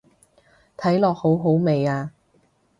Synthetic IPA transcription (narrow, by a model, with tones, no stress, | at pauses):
t̪ʰɐ˨˥jlɔː˨k̚ho˨˥wɦo˨˥wme˨jaː˧